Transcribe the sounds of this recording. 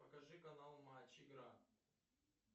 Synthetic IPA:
pɐkɐʐɨkɐnalˠmat͡ɕɪɡɾa

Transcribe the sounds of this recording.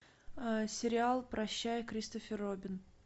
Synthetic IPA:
əsʲɪɾʲɪalˠpɾɐɕːæjəkɾʲist̪əfʲɪrobʲɪn

